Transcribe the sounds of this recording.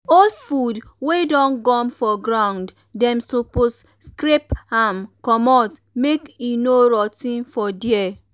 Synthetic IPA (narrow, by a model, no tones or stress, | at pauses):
ɔlfudwedɔ̃nɡɔ̃mfɔɡɾãwnd | dɛ̃msopos | skɾepamkɔmɔt | mekinoɾɔtĩnfɔdiɛ